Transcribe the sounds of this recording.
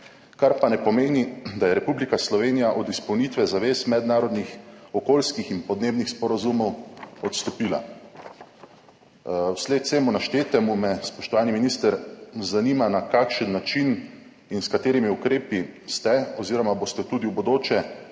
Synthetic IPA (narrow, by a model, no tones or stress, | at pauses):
kaɾpanɛpɔmeːnid̪ajɛɾɛpublikaslɔʋeːnijaʔɔd̪ispɔwnit̪ʋɛzaʋeːsmɛd̪naːɾɔd̪nixɔkoːlskixinpɔd̪neːbnixspɔɾazumɔwɔt̪st̪ɔpiːla̰ | wsleːt̪seːmunaʃt̪eːt̪ɛmumɛspɔʃt̪ɔʋaːniminist̪əɾzanimanakakʃənːat͡ʃin | inskat̪eːɾimiukɾeːpist̪ɛɔziːɾɔmabost̪ɛt̪uːd̪iwbod̪oːt͡ʃɛ